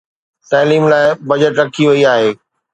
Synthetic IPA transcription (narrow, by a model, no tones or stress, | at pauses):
t̪aːliːmlaːɪbɐd͡ʑəʈɾɐkʰiʋɐiaːɦeː